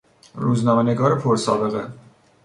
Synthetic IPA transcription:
ɾuːznɒːmeneɡɒːɾepʰoɾsɒːbe̞ɣe

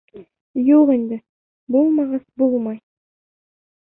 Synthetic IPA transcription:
joʁend̪ɪ | bolˠmɑʁɑsbolˠmɑj

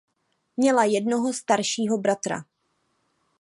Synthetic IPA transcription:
mɲɛlajɛdno̞ɦo̞st̪aɾʃiːɦo̞bɾat̪ɾa̰

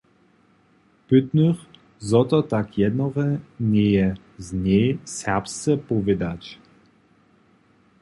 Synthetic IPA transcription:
pʏt̪nyχ | zɔt̪ɔt̪akʰjɛd̪nɔʁɛnʲɛjɛ | zɲʲɛsɛʁpst̪t͡sɛpɔvʲɛd̪at͡ɕ

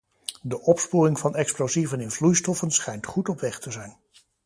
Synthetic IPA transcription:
dəʔɔpspuːrɪŋvɑnɛksplozivənɪnvlujstɔfənsχɛjntχutɔpʋɛχtəzɛjn

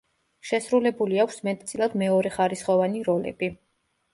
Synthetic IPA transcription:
ʃɛsɾulɛbuliakʰʷsmɛt̪ʰʼt̪sʼilˠad̪mɛɔɾɛχaɾisχɔvaniɾɔlɛ̰b̥i

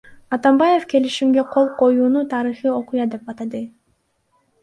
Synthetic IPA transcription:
ɑt̪ɑmbɑje̞fke̞liʃimɡe̞qʰo̞lˠqo̞juːnut̪ʰɑɾɯχio̞qujɑd̪e̞pɑt̪ɑd̪ɯ

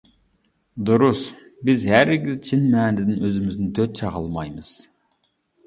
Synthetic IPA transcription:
d̪uɾusbɪzhæɾɪɡʲizt͡ʃʰinmɛnd̪ɪd̪ɪnøzɪmɪznɪt̪ʰøt̪̚t͡ʃʰɑʁɑlˠmɑjmɨz̥

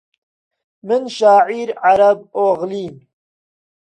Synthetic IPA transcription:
mɨnʃaːʕiːɾʕaɾɐb̚oːɣliːm

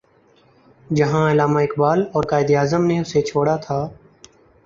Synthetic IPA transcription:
d͡ʒəɦãːɪlaːmaːɪkbaːlɔːɾkaːɪd̪iaːzəmneːʊset͡ʃʰoːɽat̪ʰaː

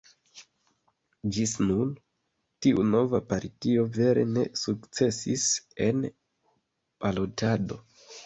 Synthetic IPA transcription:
d͡ʒisnun | tiʔuno̞vapaɾtio̞ve̞ɾe̞̰ne̞̰sukt͡se̞sḭse̞n | palo̞tado̞

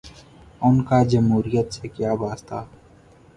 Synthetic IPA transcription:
ʊnkaːd͡ʒəmɦuːɾijət̪sekjaːbaːst̪aː

